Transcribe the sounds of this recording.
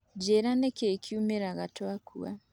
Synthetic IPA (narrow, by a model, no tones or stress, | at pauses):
d͡ʒeɾanekekʰiumeɾaɣatwakʰṵa̰